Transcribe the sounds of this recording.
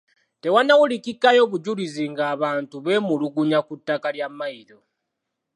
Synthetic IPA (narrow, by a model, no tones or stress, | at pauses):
te̞wanːawulikikːajo̞ːβuɟuliziŋɡaːβaːntuβe̞ːmuluɡuɲakutːakaljamːaiɾo̞